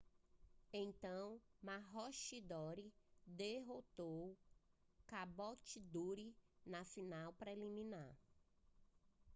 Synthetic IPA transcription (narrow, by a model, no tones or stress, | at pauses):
ẽt̪ɐ̃w̃maɦɔʃid̪ɔɾid̪eɦot̪ow | kabɔt͡ʃid̪uɾinasinawpɾelimĩnaɾ